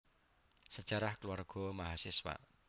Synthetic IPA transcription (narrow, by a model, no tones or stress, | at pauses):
səd̥ʒ̥aɾahkəlwarɡ̥ɔ̤maɦasɪswa̰ʔ